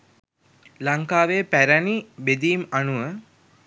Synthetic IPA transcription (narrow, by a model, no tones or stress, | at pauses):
laŋkaːʋepæɾænibed̪iːmanuʋə